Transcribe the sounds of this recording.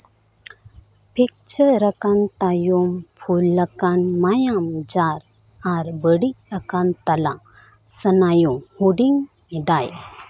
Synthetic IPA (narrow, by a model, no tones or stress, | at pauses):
pek̚t͡ɕʰəɾəkãnt̪ajumfʰulːəkanmajamd͡zaɾ | aɾbəɽi | əkant̪ala | sənajumhuɽiŋɡ | ed̪aj